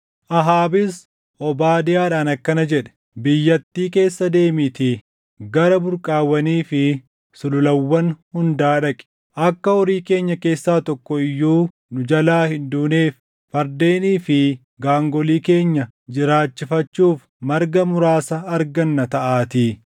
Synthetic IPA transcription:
ʔɐɦaːbɪs | ʔɔbaːd̪ɪjaːᶑaːnɐkːɐnɐd͡ʒɛᶑɛ̥ | bɪjːɐt̪ːiːke̞ːsːɐd̪e̞ːmɪt̪ɪ | ɡɐɾɐbʊɾkʼaːwːɐniːfɪ | sʊlʊlɐwːɐnhʊnd̪aːᶑɐkʼɪ̥ | ʔɐkːɐhɔɾiːke̞ːɲːɐke̞ːsːaːt̪ɔkːɔɪjːuː | nʊd͡ʒɐlaːhɪnd̪uːneːfː | ɐɾd̪e̞ːniːfɪ | ɡaːŋɡɔliːke̞ːɲːɐ | d͡ʒɪɾaːt͡ʃːɪfɐt͡ʃːuːf | mɐɾɡɐmʊɾaːsɐːɾɡɐnːɐt̪ɐʔaːt̪iː

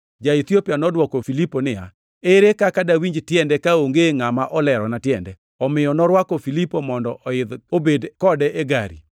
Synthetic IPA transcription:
d͡ʒait̪jopjanɔdwɔkɔfiliponɪja̰ | eɾekakadawiɲd͡ʒtjɛndɛkaoŋɡeŋamaʔɔlɛɾɔnatjɛndɛ | ɔmɪjɔnɔɾwakɔfilipomɔndɔʔɔɪd̪obedkɔdɛʔeɡa̰ɾḭ

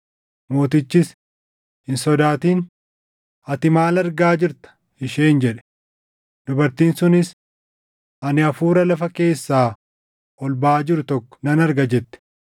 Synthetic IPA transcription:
mo̞ːt̪ɪt͡ʃːɪs | hɪnsɔd̪aːt̪iːn | ɐt̪ɪmaːlɐɾɡaːd͡ʒɪɾt̪ɐ̥ | ɪʃeːnd͡ʒɛᶑɛ̥ | d̪̥ʊbɐɾt̪iːnsʊnɪs | ʔɐnɪɐfuːɾɐlɐfɐke̞ːsːaː | ʔɔlbaːd͡ʒɪɾʊt̪ɔkːɔ̥nɐnɐɾɡɐd͡ʒɛt̪ːɛ̥

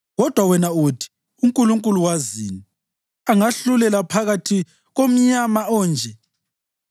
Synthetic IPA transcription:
ɣɔd̥ʱwawɛnautʰi̥ | uŋkʼuluŋkʼuluwazḭːni | aŋaɬulɛlapʰaɣatʰi | ɣom̩ɲamaɔːnd͡ʒʱɛ

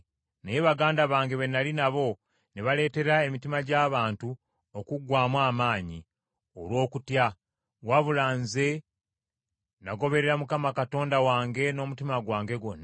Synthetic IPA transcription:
nejeβaɡaːndaβaːŋɡe̞βe̞nːalinaβo̞ | neβale̞ːte̞ɾae̞mitimaɟaːβaːntu | okuɡwaːmwaːmaːɲi | o̞lwo̞ːkutja | waβulaːnze̞ | naɡo̞βe̞ɾeɾamukamakato̞ːndawaːŋɡe̞no̞ːmutimaɡwaːŋɡe̞ɡo̞nːa

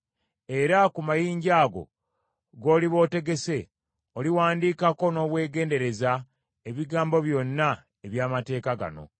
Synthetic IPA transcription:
e̞ɾakumajiːɲɟaːɡo̞̰ | ɡo̞ːliβo̞ːte̞ɡe̞se̞ | oliwaːndiːkako̞no̞ːβwe̞ːɡe̞ːnde̞ɾe̞za | eβiɡaːmbo̞βjo̞nːa | eβjaːmate̞ːkaɡa̰no̞̰

